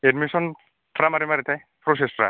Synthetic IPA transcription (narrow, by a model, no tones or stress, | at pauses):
edmisɔn | pʰɾamaɾimaɾit̪ʰaj | pʰɾos̬espɾa̰